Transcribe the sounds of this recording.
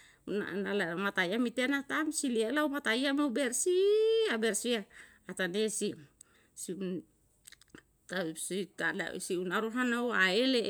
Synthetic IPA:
una̰nalamat̪ajamit̪enat̪amsilialawmat̪ajamawbeɾsiabeɾsiaː | t̪anesi | si | t̪asitada̰siunaɾuɦanawaele

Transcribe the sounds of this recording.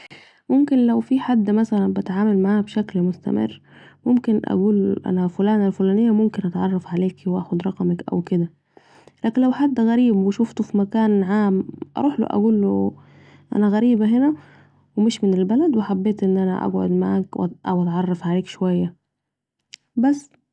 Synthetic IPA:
momkenlæwfiħad̪ːmæsælænbæt̪ʕaːmælmaʕaːbʃæklmost̪æ̰mḛrːmomkenʔæ̰ɡuːlʔæ̰næfolæːnælfolæːnejːæmomkenʔɑt̪ʕɑrˤːɑfʕaleːkiwʔæ̰ːxod̪ɾˤɑqɑmækʔæ̰wked̪æ | læːkenlæwħad̪ːɣæɾiːbweʃʊft̪ofimækæːnʕaːmʔɑ̰ɾˤuːħlo̰ʔæ̰ɡuːlːo | ʔæ̰næɣæɾiːbæɦenæ | wemɪʃmɪnelbælæd̪weħabːeːt̪ʔenːʔænæ̰ʔæ̰ɡʕo̰d̪maʕaːkw̰ʔæwʔæt̪ʕɑrˤːɑfʕaleːkʃowæjːæ | bæsː

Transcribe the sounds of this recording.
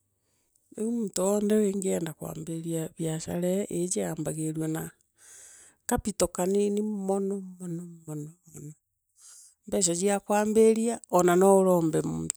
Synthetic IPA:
eumuːtoɔndɛweːŋɡeɛːndakwa̰ːmbeɾiaβjaʃa̰ɾɛʔed͡ʒeaːmbaɣeɾwɔna | kapitɔkaninimɔnɔmɔnɔmɔnɔmɔnɔ | mbɛʃ̬ad͡ʑiakwaːmbeɾiaɔnanɔoɾɔːmbɛmṵːdu

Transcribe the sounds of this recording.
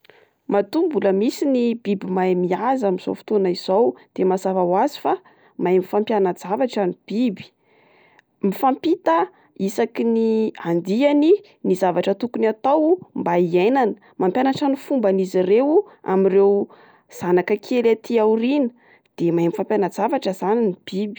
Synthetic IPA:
mat̪umbuləmisinibibimajmiazamiz̥o̰wfi̥t̪onaiz̥owd̪̥emazavawazi̥fa | majmifampjanad͡zavaʈ͡ʂanib̥ibi̥ | mifampit̪a | isakiniand̪iani | nizavaʈ͡ʂət̪ukunat̪awumbaienanə̥ | mampʲjanaʈ͡ʂanifumbanizirewu | a̰mirew | z̥anakəkʰelat̪ʰiaurinə̥ | d̪̥emajmifampjanad͡zavaʈ͡ʂəzaninib̥ibi̥

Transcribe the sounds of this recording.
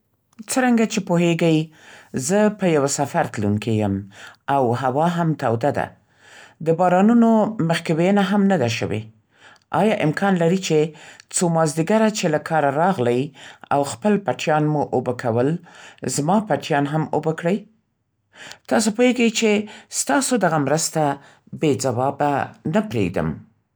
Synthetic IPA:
t͡səɾaŋɡat͡ʃepoɦeɡəj | zəpəjawasafaɾt̪luŋkejəmawɦawɑɦamt̪awd̪ad̪a̰ | d̪əbɑɾɑnunoməxkaweənaɦamnad̪aʃə̰wḛ | ʔɑjɑʔɪmkʰɑnlaɾit͡ʃet͡somɑzd̪iɡaɾat͡ʃelakʰɑɾaɾɑɣləja̰wxpəlpaʈjɑnmuʔobakʰawəlzmɑpaʈjɑnɦamobəkɽəj | t̪ɑsopoheɡəjt͡ʃest̪ɑsod̪aɣamɾəst̪a | bed͡zawɑbanapɾḛɡ̚d̪ə̰m

